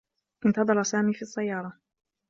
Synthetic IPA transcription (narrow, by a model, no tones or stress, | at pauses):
ʔɪnt̪ɑd̪ˤɑɾˤɑsaːmiːfiːɑsˤːajːɑːɾˤɑ